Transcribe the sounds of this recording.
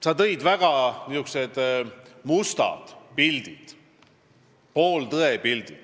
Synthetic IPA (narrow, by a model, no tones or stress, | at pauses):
sɑt̪ɤjd̪væɡ̥ɑniuksed̪̥must̪ɑ̰d̪̥pild̪̥id̪̥ | poːlt̪ɤepild̪̥id̪̥